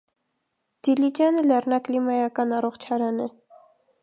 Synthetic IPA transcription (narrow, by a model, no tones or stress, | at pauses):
d̪̥ilid͡ʒɑnəlɛrnɑklimɑjɑkɑnɑrɔχt͡ʃʰɑɾɑnɛ